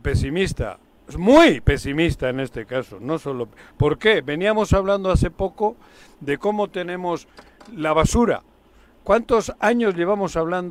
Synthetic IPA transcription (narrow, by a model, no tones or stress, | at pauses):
pe̞simist̪a̰ | mujpe̞simist̪aene̞st̪e̞kaso̞no̞so̞lo̞po̞ɾke̞βe̞niamo̞saβland̪oaθe̞po̞ko̞ | ðe̞ko̞mo̞t̪e̞nẽ̞mo̞slaβ̞asuɾa̰ | kwant̪o̞saɲo̞zʎe̞β̞amo̞saβ̞land̪